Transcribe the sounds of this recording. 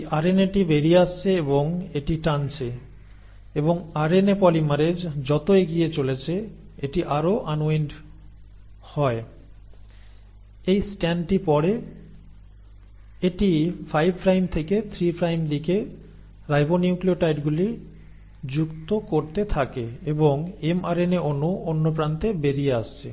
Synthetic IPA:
aɾeneʈibeɾiast͡ɕʰeeboŋeʈiʈant͡ɕʰe | eboŋaɾenepɔlimaɾed͡ʑd͡ʑɔt̪oeɡiet͡ɕolet͡ɕʰeeʈiʔaɾoʔanoenɖ | hɔe | ejsʈɛnʈipɔɾe | eʈifʰajbʱpʰɾajmt̪ʰeket̪ʰɾipɾajmd̪ike | ɾajboniuklioʈajʈɡuli | d͡ʑukt̪okoɾt̪et̪ʰakeeboŋemaɾeneʔonːuonːopɾant̪ebeɾieaʃt͡ɕʰḛ

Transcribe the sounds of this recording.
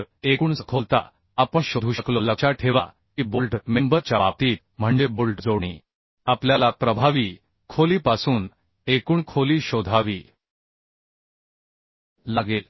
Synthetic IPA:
ɾekuːɳəkʰolt̪a̰ | apəɳɕod̪ʱuɕəkloləɕaʈʰeʋa̰ | kiːbulʈmembəɾt͡ɕjaʋap̚t̪iːt̪̚m̤əɳd͡ʑebulʈd͡zoɳḭː | apljalapɾəbʱaʋiː | kʰoliːpasuːn | ekuːɳkʰoliːɕod̪ʱaʋiː | laɡel

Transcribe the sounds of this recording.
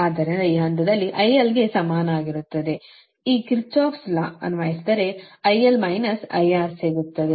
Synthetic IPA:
aːd̪ɐɾɐɐiːɦɐnt̪ɐd̪ɐlːiʔɐjɐlɡe̞sɐmaːnɐaːɡiɾut̪ːɐd̪e̞ | iːkiɾt͡ʃaːpslɐɐ̰nʋaːjisid̪ɐɾe̞ɐjɐlmɐjnɐsɐ̰jaːɾseːɡut̪ːɐd̪e

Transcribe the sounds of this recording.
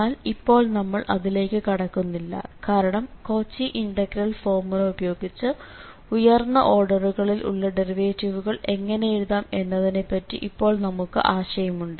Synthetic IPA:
aːlipːo̞ːɭnɐmːɐɭʔɐðile̞ːkːɨkɐɽɐkːunːilːɐ̰kaːɾɐɳɐmko̞ːt͡ɕːiʔiɳɖɐɡrɐlfo̞ːrmulɐubɐjo̞ːɡit͡ɕːɨ | ujɐrnːɐʔo̞ːrɖɐruɣɐɭilʔṵɭːɐɖeriʋeːtːiʋuɣɐɭe̞ŋːɐnejeɻuðaːmenːɐðine̞pːɐtːḭʔipːo̞ːɭnɐmukːɨ̰ʔaːɕɐjɐmuɳɖɨ

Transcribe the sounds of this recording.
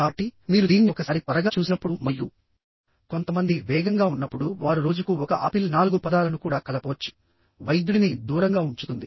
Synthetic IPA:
aʈːimiːɾud̪iːnːiɔkɐsaːɾipɐɾɐɡaːt͡ʃuːsinɐpːuɽumɐjːu | ko̞nt̪ɐmɐnd̪iʋɛːɡɐŋɡaːunːɐpːuɽuʋaːɾuɾo̞ːd͡ʒukuɔkɐʔɐpilnaːluɡupɐd̪aːlɐnukuːɽaːkɐlɐpɔːɐt͡ʃːu̥ | ʋɐjd̪ɽinid̪uːɾɐŋɡaːuɲt͡ʃut̪und̪i

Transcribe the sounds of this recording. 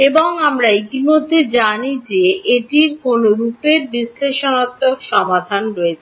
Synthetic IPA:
eboŋamɾait̪imod̪ʱːed͡ʑanid͡ʑeeʈiɾkonoɾupeɾbisleʃonat̪ːokʃɔmad̪ʱanɾoet͡ɕʰe

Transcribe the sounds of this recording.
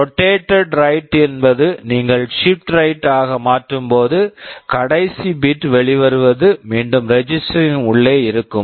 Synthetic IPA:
ɾɔʈːeːʈːɛɖɾɐɪʈːɛnbɐðɯniːŋɡɐɭʂɪp̚ʈɾɐɪʈːaːɣɐmaːʈrɯmpoːðɯkɐɽɐɪsibɪʈːʋɛɭɪʋɐɾɯʋɐðɯmeːɳɖɯmɾɛd͡ʒɪsʈɐɾɪnʊɭːeːɪɾɯkːɯm

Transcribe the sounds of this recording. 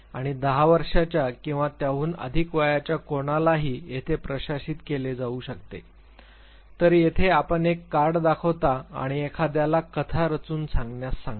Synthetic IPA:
aɽ̃id̪əɦaʋəɾʂat͡ɕjakĩw̃ʋat̪jaʋuːnə̰d̪ʱikʋajat͡ɕjakoɽ̃alaɦiːjet̪ʰepɾəɕaɕiːt̪keled͡zauːɕəkt̪ḛ | t̪əɾjet̪ʰeapəɳekːaɾɽd̪akʰəʋt̪aa̰ɽ̃iekʰad̪jalakət̪ʰaɾət͡suːnsãŋɡnjasːãŋɡ

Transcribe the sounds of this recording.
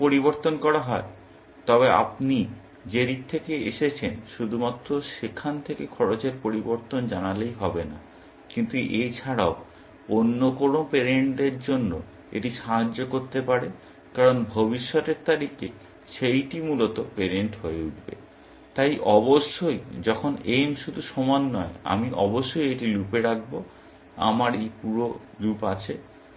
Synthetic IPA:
poɾiboɾt̪onkɔɾaɦɔe | t̪ɔβea̰pni | d͡ʑeɾik̚t̪ʰekeeʃet͡ɕʰenʃud̪ʱumat̪ːɾoʃekʰːant̪ʰekekʰɔɾot͡ɕeɾpoɾiboɾt̪ond͡ʑanalejɦɔbena̰ | kint̪uʔejt͡ɕʰaɽao | onːokonopeɾeɳʈeɾd͡ʑonːo̰ | ḛʈiʃaɦad͡ʑːokoɾt̪epaɾe | kaɾonbʱobiʃːɔt̪eɾt̪aɾikḛ | ʃejʈimulot̪opeɾeɳʈɦoeuʈbḛ | t̪ajʔɔboʃːojd͡ʑɔkʰonemʃud̪ʱuʃɔmanːɔea̰miʔɔboʃːojeʈilupeɾak̚ʰbo | a̰maɾejpuɾo | lupat͡ɕʰe

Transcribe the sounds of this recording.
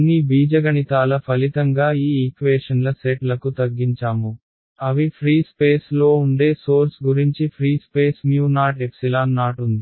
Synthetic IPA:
ɐnːibiːd͡ʒɐɡɐɳit̪aːlɐpʰɐlit̪ɐŋɡaːiːikʋeːʂɐnlɐseʈlɐkut̪ɐɡːiɲt͡ʃaːmu | ɐʋipʰɾiːspeːslo̞ːuɳɖe̞ːso̞ːɾsɡuɾiɲt͡ʃipʰɾiːspeːsmjuːnaːʈepsilaːnnaːʈund̪i

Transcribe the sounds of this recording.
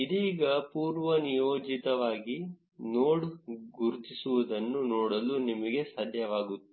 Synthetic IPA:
id̪iːɡɐpuːɾʋɐnijoːd͡ʒit̪ɐʋaːɡi | noːɽɡuɾt̪isuʋud̪ɐnːunoːɽɐlunimɐɡe̞saːd̪ʱjɐʋaːɡut̪ːu̥

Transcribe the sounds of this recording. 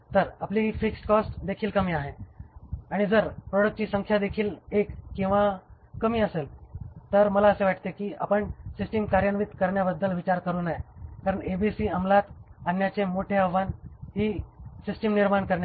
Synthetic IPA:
t̪əɾapliːɦifiksʈkɔsʈd̪ekʰiːlkəmiːaɦe | aɽ̃id͡zəɾpɾɔɽək̚ʈ̚t͡ɕiːsəŋkʰjad̪ekʰiːlekːĩw̃ʋa | kəmiːəselt̪əɾməlaəseʋaʈ̚ʰt̪ekiːapəɳsisʈimkaɾjənmit̪kəɾɳjabəd̪ːəlʋit͡ɕaɾkəɾuːnajkaɾəɳebisiːəmlat̪anjat͡ɕemoʈʰeaʋʋanɦiːsisʈəmniɾmaɳkəɾɳja

